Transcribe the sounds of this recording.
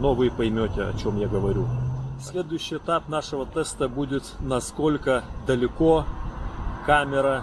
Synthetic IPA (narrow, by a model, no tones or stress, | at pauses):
novɨpɐjmʲotʲɪɐ̰t͡ɕo̞mjaɡəvɐɾʲusʲlʲe̞d̪ʊjʉɕːɪjɪt̪apnaʂɨvət̪ɛst̪əbudʲɪt̪nɐskolʲkəd̪əlʲɪko | kamʲɪɾɐ